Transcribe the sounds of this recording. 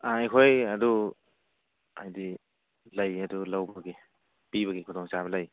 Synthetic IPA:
aajkʰojadu | ajdi | lajadulawbaɡe | piβɐɡikʰudʰɔŋt͡ʃaβɐlaj

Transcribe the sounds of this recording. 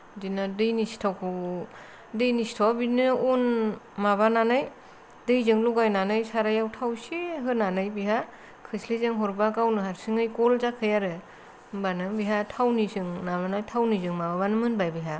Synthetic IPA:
dinadɯjnisi̥tʰawkʰɯ | dɯjnistʰawabinɯun | maβananɯj | dɯjzɯŋluɡajnanɯjsaɾajawtʰawsiɦɯnanɯjbiɦa | kʰɯslezɯŋɦɔɾbakawnɯɦaɾsɯŋɯjkɔlzakʰɯjaɾɯ | banɯbiɦatʰawnizɯŋnaβanajtʰawnizɯŋmaβaβanɯmɯnbajbiɦa

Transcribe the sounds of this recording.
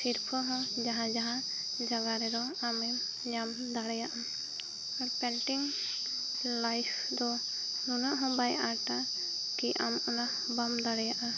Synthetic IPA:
siɾpʰɔɦɔ̃d͡ʒaɦãd͡ʒaɦã | d͡ʒaɡaɾɛɾɔamɛ | ɲam | d̪aɽɛjaʔa | aɾpɛɳʈiŋ | lajpʰd̪ɔ | nunaʔɦɔ̃bajaʈa | kiʔa̰mɔna | bamd̪aɽɛjaʔa

